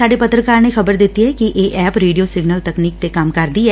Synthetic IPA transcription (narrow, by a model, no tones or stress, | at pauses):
saːɖepət̪ɾəkaːɾnexɐbəɾd̪ɪt̪ːiɦɛkiʔeːʔɛːpɾeːɖijoːsɪɡnəlt̪əkniːk̚t̪ekamkɐɾd̪iɦɛː